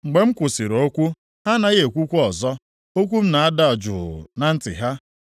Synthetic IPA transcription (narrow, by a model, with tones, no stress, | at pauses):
ŋ͡m̩˨ɡ͡be˨ŋ͡m̩˦kʷʊ˨si˨ɾo˦kʷu˦ | ha˦na˨˦ɣe˨kʷu˦kʷu˦ɔ˨zɔ˦ | o˦kʷu˦m̩˦na˨a˦da˦a˨d͡ʒʊ˨na˨n̩˦tɪ̰˨ɦa˦